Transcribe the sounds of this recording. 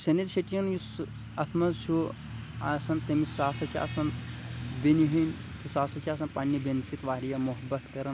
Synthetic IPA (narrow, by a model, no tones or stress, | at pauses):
sʲɐnid̪ʃɐʈijɐnjus | ɐt̪ʰmɐzt͡ʃʰu | aːsɐnt̪ɐmisaːsɐt͡ʃʰia̰ːsɐnbeniɦinʲ | t̪isaːsɐt͡ʃʰaːs̬ɐnpanʲːibʲensit̪ʋaːɾijɐmuɦɐbɐt̪kɐɾɐn